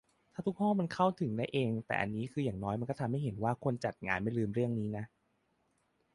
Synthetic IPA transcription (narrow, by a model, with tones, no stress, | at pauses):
t̪ʰaː˥˩t̪u˦˥k̚ʰːɔː˥˩ma˧nkʰa˥˩wt̪ʰɯ˨˩˦ŋda˥˩jʔeː˧ŋt̪ɛ̰ː˨˩ʔa̰˧nːiː˦˥kʰɯː˧jaː˨˩ŋnɔː˦˥jma˧nkɔ˥˩t̪ʰa˧mha˥˩jɦe˩˦nwaː˥˩kʰo˧nt͡ɕa˨˩t̪̚ŋaː˧nma˥˩jlɯː˧mɾɯ˥˩əŋniː˦˥na˦˥ʔ